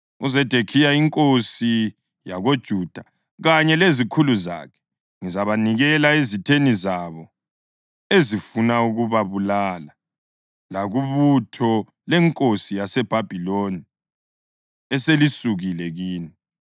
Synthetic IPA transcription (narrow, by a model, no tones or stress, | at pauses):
uzɛd̥ʱekʰijaiŋkʼosi | jaɣod̥ʒ̥ʱuːd̥ʱa | ɣaɲɛlezikʰuluza̰ːkʰɛ̥ | ŋizaβaniɣɛlaezitʰenizaβɔ | ezifunauɣuβaβulala | laɣuβutʰɔ | lɛŋkʼosijasɛb̥ʱab̥ʱiloni | ɛselisuɣilɛɣiːni